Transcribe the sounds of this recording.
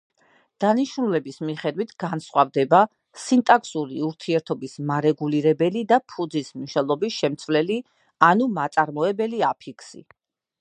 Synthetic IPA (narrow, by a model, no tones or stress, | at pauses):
d̪̥aniʃnulɛbismiχɛd̪wit̪ʰɡ̥ansχwavd̪ɛba | sint̪ʼakʰsuɾiuɾt̪ʰiɛɾt̪ʰɔbismaɾɛɡuliɾɛbɛlid̪apʰud̪zismniʃnɛlˠɔbisʃɛmt̪sʰvlɛli | anumat̪sʼaɾmɔɛbɛliapʰikʰsḭ